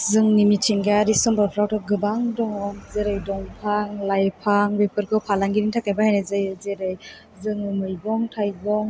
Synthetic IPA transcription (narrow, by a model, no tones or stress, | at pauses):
zɯŋnimitʰiŋɡaɾisɔmbapʰɾawtʰɔɡɯbaŋdɔŋɔmzeɾɯjdɔŋpʰaŋlajpʰaŋbepʰɯɾkʰɯwpʰalaŋɡiɾiŋtʰakajbahajnazɯjzeɾɯj | zɯŋɯmɯjbɔŋtʰajɡɔŋ